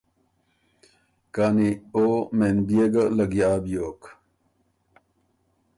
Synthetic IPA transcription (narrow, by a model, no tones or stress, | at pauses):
kaːnioːmenbijeɡɐlɐɡjaːbjoːk